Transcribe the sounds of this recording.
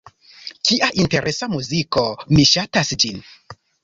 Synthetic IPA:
kiʔaʔinte̞ɾʔe̞samuziko̞miʃatasd͡ʒin

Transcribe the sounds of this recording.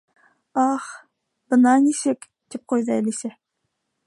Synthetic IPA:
ɑχ | b̥ɤnɑnisɘk | t̪ip̚qojðɑælisæ

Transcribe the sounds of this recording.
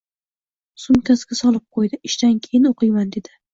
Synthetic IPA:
sʊmkʲʰasɡʲasɒlˠɪp̚qʰojd̪ɪɪʃt̪ankʲʰejɪnoqʰɨjmand̪e̞d̪ɪ

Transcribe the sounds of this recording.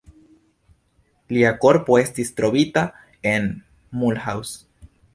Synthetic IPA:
liako̞ɾpo̞e̞stist̪ɾo̞βita | en | mulhaws

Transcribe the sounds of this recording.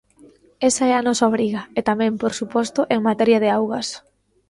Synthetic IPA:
esɐɛanɔsaoβɾiɣɐet̪amɛ̃mpoɾsupɔst̪ʊʔeŋmat̪ɛɾjɐð̞ɪawɣɐs

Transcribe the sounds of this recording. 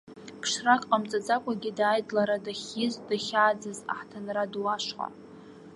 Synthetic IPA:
pʰʂrakʼqʼamt͡sʼad͡zakʷʼaɡʲidaːjdʼlaɾadaχʲɪzdaχʲaːd͡zaza̰ħtʰanradwaʂqʼa̰

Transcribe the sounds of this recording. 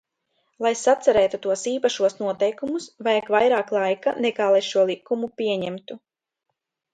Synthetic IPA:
lˠajsat̪saɾɛːt̪ut̪uɔsiːpaʃuɔsnuɔt̪ɛjkumusvajkvajɾaːklˠajka̰nɛkaːlˠajʃuɔlˠikːumupʲiɛɲɛmt̪u

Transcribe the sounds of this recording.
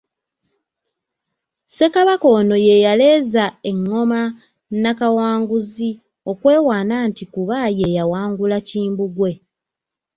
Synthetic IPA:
se̞kaβako̞ːno̞je̞jale̞ːzae̞ŋːo̞ma | nakawaːŋɡuzi | o̞kwe̞ːwaːnantikuβaje̞jawaːŋɡulaciːmbuɡwe̞

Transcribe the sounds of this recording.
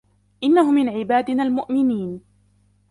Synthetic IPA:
ʔɪnːaɦʊmɪnʕɪbaːd̪ɪnaːlmʊʔmɪniːn

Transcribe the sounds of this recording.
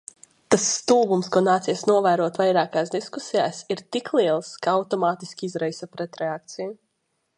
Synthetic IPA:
t̪asːt̪uːbumskuɔnaːt̪siɛsnuɔvæːɾuɔt̪vajɾaːkaːsd̪iskusijaːsiɾt̪iklˠiɛlˠskaawt̪ɔmaːt̪iskʲiizɾɛjsapɾɛt̪ɾɛak̚t̪siju

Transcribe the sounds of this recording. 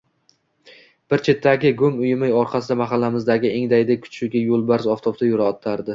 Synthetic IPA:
b̥ɪɾt͡ʃʰe̞t̪ʰːaɡʲɪɡʊmʊjɪmɪjɒɾqʰɑsɪd̪amaχalːamɪzd̪aɡʲɪe̞ŋd̪ajd̪ɪkʰʊ̥t͡ʃʰʊɡʲajolˠbaɾzɒft̪ʰobt̪ajʊɾaɒt̪ʰaɾd̪ɪ

